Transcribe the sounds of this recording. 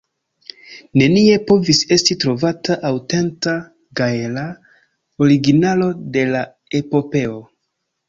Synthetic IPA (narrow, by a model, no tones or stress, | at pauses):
ne̞nie̞po̞vise̞stitɾo̞vataʔawte̞nta | ɡaela | o̞ɾiɡinalo̞de̞la | e̞po̞pe̞o